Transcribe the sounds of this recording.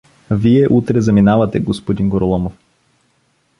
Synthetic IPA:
viɛʔut̪ɾɛzɐminavɐt̪ɛɡospod̪inɡoɾolˠɔmof

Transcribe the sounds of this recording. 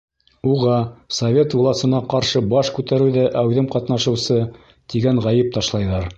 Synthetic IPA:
uʁɑsɐvʲet̪vulˠɑsɤ̆nɑqɑɾʃɤbɑʃkʉt̪æɾɘwðæʔæwðɘmqɑt̪nɑʃɤ̆wsɤ | t̪iɡæɴʁɑjɘp̚t̪ɑʃlˠɑjðɑɾ

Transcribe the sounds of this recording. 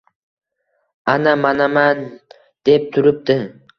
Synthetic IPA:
anamanaman | d̪̥ep̚t̪ʰʊɾɪp̚t̪ɪ

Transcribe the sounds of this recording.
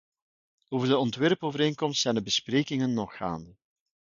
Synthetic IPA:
oːvərdəɔntʋɛrpoːvəɾeːŋkɔmstsɛjndəbəspreːkɪŋənːɔxa̰ːndə

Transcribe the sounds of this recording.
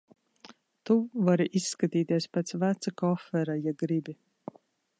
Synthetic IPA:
t̪uvaɾiʔisːkat̪iːt̪iɛspɛt̪svæt̪sakɔfɛɾajaɡɾibʲi

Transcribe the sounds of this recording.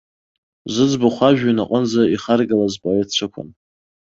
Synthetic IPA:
zɨd͡zbʊχʷaʒᶣanaqʼənd͡zaiχarɡalazpʰʼoett͡ʃʷʰɨkʷʰʊ̰n

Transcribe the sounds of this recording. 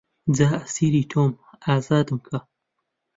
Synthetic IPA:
d͡zaːɐsiːɾiːt̪ʰoːm | aːzaːd̪ɨmkʰɐ

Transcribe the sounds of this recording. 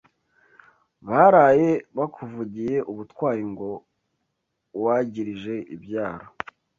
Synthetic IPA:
βaɾaːje̞βakʰuvuɟije̞ʔuβutkwaːjiŋɡo̞ | waɟiɾiʒe̞ʔḭbɟaːɾo

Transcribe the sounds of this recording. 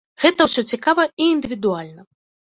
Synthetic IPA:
ɣɛt̪ɐwsʲɔt͡sʲikavɐiːnd̪ɨvʲid̪ualʲnɐ

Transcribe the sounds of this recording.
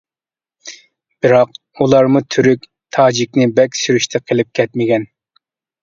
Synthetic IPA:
b̥ɨɾɑq | ulˠɑɾmut̪ʰyɾykʲ | t̪ʰɑːd͡ʒikʲnɪbɛkʲsyɾyʃt̪ʰɛqʰəlˠɪp̚kʲʰɛt̪mɪɡʲɛn

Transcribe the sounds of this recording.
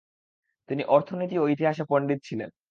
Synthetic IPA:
t̪iniʔɔɾt̪ʰonit̪ioit̪iɦaʃapəɳɖit̪̚t͡ɕʰilḛn

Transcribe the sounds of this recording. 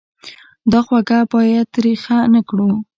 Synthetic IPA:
d̪ɑxwaɡabɑjad̪ɾixanakɽu

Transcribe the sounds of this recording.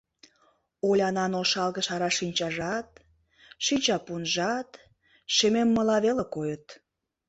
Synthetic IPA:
olʲɑnɑnoʃɑlɣə̆ʃɑɾɑʃinʲt͡ɕɑʒɑt̪̚ | ʃinʲt͡ɕɑpunʒɑt̪ | ʃememːəlɑβelekojət̪

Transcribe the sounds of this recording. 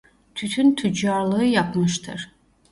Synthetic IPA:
t̪ʰyt̪ʰynt̪ʰyd͡ʒaɾlˠɯɯjapmɯʃt̪ʰɯ̰ɾ̥

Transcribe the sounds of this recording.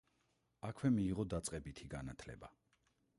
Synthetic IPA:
akʰwɛmiːʁɔd̪at̪sʼqʼɛbit̪ʰiɡanat̪ʰlɛ̰ba

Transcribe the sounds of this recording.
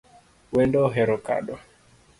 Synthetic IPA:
wɛndɔɦɛɾɔka̰ɗɔ

